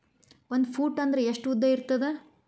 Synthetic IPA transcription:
o̞nd̪pʰuːʈːɐnd̪ɐɾeeʂʈud̪ːɐiɾt̪ɐd̪e

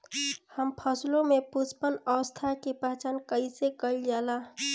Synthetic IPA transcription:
həmpʰəslomepuspənəʋəst̪ʰakepat͡ʃankəɪsekəld͡ʒala

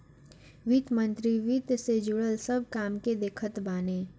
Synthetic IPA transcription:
ʋit̪mə̃nt̪ɾiʋiːt̪sed͡ʒʊɽəlsɐb̚ʱkaːmked̪eːkʰət̪baːneː

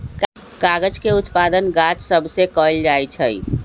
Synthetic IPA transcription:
k | kaɡəd͡ʒkeʊt̪pad̪ənɡat͡ʃsəbʱsekɔld͡ʒajt͡ʃʰəi

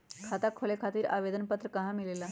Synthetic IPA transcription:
kʰat̪akʰolekʰat̪iːɾa̰ʋed̪ənpət̪ɾəkaɦãmilela

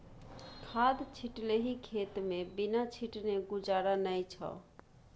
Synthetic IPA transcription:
kʰad̪t͡ʃʰiʈleɦikʰet̪mebinat͡ʃʰiʈneɡud͡ʒaɾanəjt͡ʃʰə̰

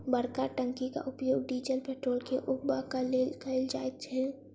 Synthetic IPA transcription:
bəɽkaʈəŋkika̰ʔʊpjoːɡ̚ɖiːd͡ʒəlpeːʈɾoːlkeʔʊkbakəlekəld͡ʒa̰ːet̪̚t͡ʃʰɛ

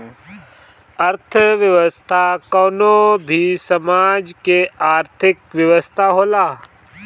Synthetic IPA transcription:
əɾt̪ʰəʋjəʋəst̪ʰakɔːnobʱisɐmaːd͡ʒkeaːɾt̪ʰɪkʋjəʋəst̪ʰaɦoːlaː

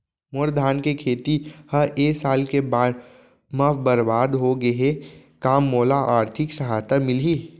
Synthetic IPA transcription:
mʊɾd̪ʱaːnkekʰeːt̪ihəeːsaːlkebaːɽ | məfbəɾbaːd̪ɦoɡəɦekaːmːoːlaʔaːɾt̪ʰɪksɐɦaːt̪amɪlɦiː

